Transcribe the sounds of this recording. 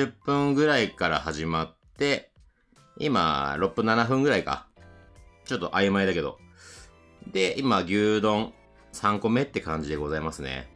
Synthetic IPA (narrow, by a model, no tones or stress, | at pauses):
ɨpːɯ̟̃ŋɡɯ̟ɾaikaɾa̰haʑimat̪ːe̞ | ḭma̰ɾo̞pːɯ̟nanaɸɯ̟̃ŋɡɯ̟ɾaika̰ | t͡ɕo̞t̪ːo̞ʔajɯmaid̪ake̞d̪o̞̰ | d̪e̞imaɡʲɨːd̪õ̞ɴ | sãŋko̞me̞t̪ːe̞kãɲ̟d͡ʑid̪e̞ɡo̞zaimasɨnḛ